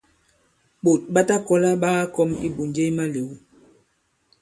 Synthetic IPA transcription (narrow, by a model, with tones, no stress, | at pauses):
ɓo˨t̚ɓa˦ta˦kɔ˦la˦ɓaː˦kɔ˦mḭ˦bu˨nd͡ʒe˦i˦ma˦le˨w